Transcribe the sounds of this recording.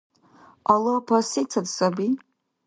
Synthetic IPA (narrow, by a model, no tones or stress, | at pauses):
alopʰasit͡sʰadsabi